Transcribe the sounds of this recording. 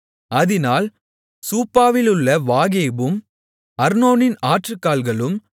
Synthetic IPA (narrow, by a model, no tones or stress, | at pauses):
ɐðɪnaːl | suːpːaːʋɪlɯɭːɐʋaːɣeːbɯm | ɐɾnoːnɪnaːʈrɯkːaːlɣɐɭɯm